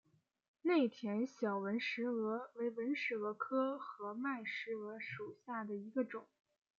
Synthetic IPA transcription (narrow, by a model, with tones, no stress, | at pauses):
ne˥˩ɪt̪ʰjɛ˧˥nɕjɑ˨˩ʊwə˧˥nʂɻ̩˧˥ɤ˧˥we˧˥ɪwə˧˥nʂɻ̩˥˩ɤ˧˥kʰɤ˥xɤ˧˥ma˥˩ɪʂɻ̩˧˥ɤ˧˥ʂu˨˩ɕja˥˩d̪ə˩i˧˥ɡə˧ʈ͡ʂʊ˨˩˦ŋ